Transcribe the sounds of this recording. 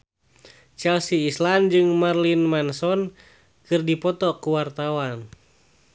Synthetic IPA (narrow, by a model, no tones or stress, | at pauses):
t͡ʃɛlsiːsland͡ʒɨŋmarlinmansɔn | kɨrdipɔt̪ɔkuwart̪awan